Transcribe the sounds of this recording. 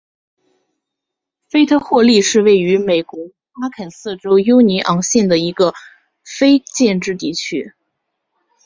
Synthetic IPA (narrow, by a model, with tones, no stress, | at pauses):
fe˥ɪt̪ʰɤ˥xwɔ˥˧li˥˧ʂɻ̩˥˧we˥˩ɪy˧˥me˨˩ɪkwɔ˧˥ | a˥kʰə˨˩nsɹ̩˥˩ʈ͡ʂo˥ʊjo˥ʊni˧˥ʔɑ˧˥ŋɕjɛ˥˩nd̪ə˩i˧˥ɡə˧ | fe˥ɪt͡ɕjɛ˥˧nʈ͡ʂɻ̩˥˧t̪̬i˥˩t͡ɕʰy̰˥